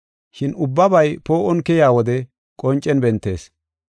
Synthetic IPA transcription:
ʃɪnʊbːɐbɐjpo̞ːʔɔnkɛjaːwɔd̪ɛ | kʼɔnt͡ʃʼːɛnbɛnt̪ːe̞ːs

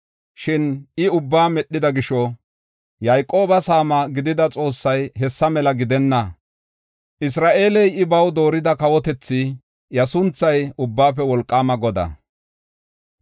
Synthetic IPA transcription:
ʃɪnɪʊbːaːmɛɗːɪd̪ɐɡɪʃɔ | jɐjkʼo̞ːbɐsaːmɐɡɪd̪ɪd̪ɐt͡sʼo̞ːsːɐjɦɛsːɐmɛlɐɡɪd̪ɛnːɐ | ʔɪs̬ɾaːʔe̞ːlɛjɪbɐwd̪o̞ːɾɪd̪ɐkɐwɔt̪ɛt͡sːɪ | jɐsʊnt͡sːɐjʊbːaːpɛwɔlkʼːaːmɐɡɔd̪ɐ̰

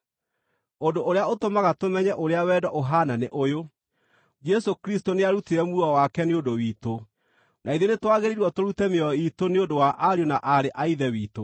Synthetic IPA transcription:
ondoʔoɾeaotomaɣatomɛɲɛʔoɾeawɛːdɔʔoɦananeʔojo | d͡ʒɛsokɾistoneaɾuteɾɛmuɾɔwakɛneondowiːto | naiðjenetwaɣeɾiɾwɔtoɾutɛmeɔitoneondowaʔaɾjonaʔaɾeʔaiðɛwiːto

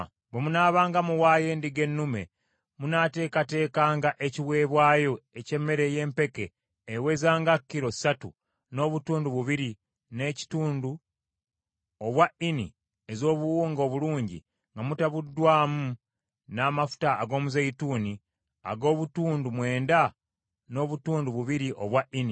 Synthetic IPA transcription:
βwemunaːβaːŋɡamuwaːje̞ːndiɡe̞nːume̞̰ | munate̞ːkate̞ːkaːŋɡaʔeciwe̞ːβwaːjo̞ece̞mːe̞ɾe̞je̞ːmpe̞ke̞ː | we̞zaːŋɡakːiɾo̞satṵ | no̞ːβutuːnduβuβiɾi | ne̞ːci̥tuːndu | oβwaini | ezo̞ːβuwuːŋɡo̞ːβuluːɲɟḭ | ŋɡamutaβudːwaːmu | naːmafu̥taːɡo̞ːmuzeituːni | a̰ɡo̞ːβutuːndumwe̞ːnda | no̞ːβutuːnduβuβiɾiʔoβwaʔini

